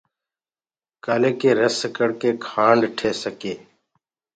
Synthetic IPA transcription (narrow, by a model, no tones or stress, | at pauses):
kaːleːkeːɾəskəɽkeːkʰaːɳɖʈʰeːsəkeː